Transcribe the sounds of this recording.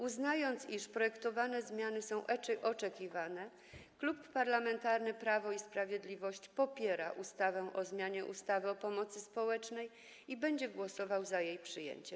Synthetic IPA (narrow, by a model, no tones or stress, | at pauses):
uznajɔnt̪siʂpɾɔjɛkt̪ɔvanɛzmʲjanɘsɔ̃w̃ʔɛt͡ʂɛʔɔt͡ʂɛkʲivanɛ | klupːaɾlamɛnt̪aɾnɘpɾavɔispɾavʲjed̪lʲivɔɕt͡ɕpɔpʲjɛɾaʔust̪avɛʔɔzmʲjaɲɛʔṵst̪avɘɔpɔmɔt̪sɘspɔwɛt͡ʂnɛj | ibɛɲd͡ʑɛɡwɔsɔvawzajejpʂɘjḛɲt͡ɕɛm